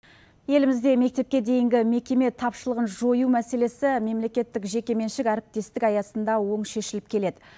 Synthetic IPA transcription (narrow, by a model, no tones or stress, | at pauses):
je̞lɪmɪzd̪e̞me̞k̚t̪e̞p̚kʲe̞d̪e̞jɪŋɡʲɪme̞kʲe̞me̞t̪ʰɑpʃəlˠəʁənʒo̞jumæse̞le̞sɪme̞mle̞kʲe̞t̪ːɪkʒe̞kʲe̞me̞nʃɪkʲæɾɪp̚t̪e̞st̪ɪkɑjɑsənd̪ɑwo̞ɴʃe̞ʃɪlɪp̚kʲʰe̞le̞d̪ɪ